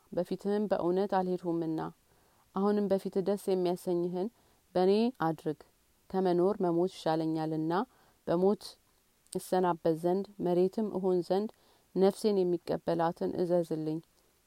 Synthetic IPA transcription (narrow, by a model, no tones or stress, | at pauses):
bəfit̪ʰɨmbə̰ʔɨwnət̪alhe̞d̪humɨnːa | ʔahunɨmbəfit̪d̪əsjɛmːijasəɲːɪɦɨn | bəne̞ad̪ɾɨɡ | kʰəməno̞ɾməmo̞t̪ʃaləɲːalɨnːa | b̥əmo̞t̪ | jɨsːənabːət̪zənd̪məɾe̞t̪ʰɨmʔɨ̰ɦonzənd̪ | nəfse̞njɛmːikʼːəbːəlat̪ʰɨnʔɨ̰zəzɨlːɨɲː